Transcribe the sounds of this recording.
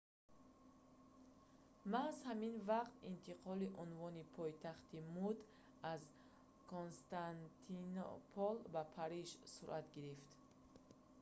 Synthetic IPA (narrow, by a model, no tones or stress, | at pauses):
mazhaminvaqt̪int̪ʰiqʰɔliʔunvɔnipʰɔjt̪ʰaχt̪imud̪ | az | kʰonst̪ant̪ʰino̰pʰɔlbapʰaɾiʃsuɾʔat̪ɡiɾift̪